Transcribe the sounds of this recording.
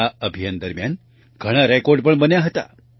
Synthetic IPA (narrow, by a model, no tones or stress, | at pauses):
aəbʱijand̪əɾmjan | ɡʱəɽ̃aɾɛkoɾɖpəɳbənjaɦət̪a̰